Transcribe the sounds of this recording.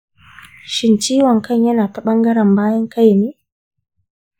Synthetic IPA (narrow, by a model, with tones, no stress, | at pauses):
ʃi˨n˨t͡ʃi˦wa˨ŋ̩˨ka˦ɲa˦na˨ta˦ɓa˦ŋɡa˦ɾa˨m˨ba˦ja˦ŋ̩˦ka˦ji˨mi˦